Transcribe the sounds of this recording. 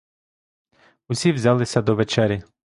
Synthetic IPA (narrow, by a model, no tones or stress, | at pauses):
ʊsʲiwzʲɑlˠɪsʲɐd̪ɔʋɛt͡ʃɛɾʲɪ